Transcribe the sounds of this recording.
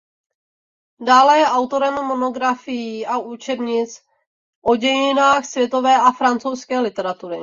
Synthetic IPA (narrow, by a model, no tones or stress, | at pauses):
daːlɛjɛʔawt̪o̞ɾɛmːo̞no̞ɡɾafɪjiːʔaʔuːt͡ʃɛbɲɪt͡s | ʔo̞ɟɛjɪnaːxsvjɛt̪o̞vɛːʔafɾant͡sowskɛːlɪt̪ɛɾat̪uɾɪ